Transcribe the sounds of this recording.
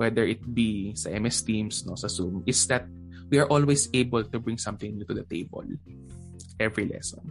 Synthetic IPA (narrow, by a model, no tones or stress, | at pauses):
wɛd̪ɛɹɪt̪̚bisɐʔɛmɛst̪imsnosɐsumʔɪsd̪ɐt̪̚ | wiɐɹʔolwesejbɛlt̪ubɹɪ̃ŋsʌ̃mt̪ɪ̃ŋjut̪ud̪ɐt̪ḛjbɔ̰l | ʔɛvɹilɛ̰sɔ̰̃n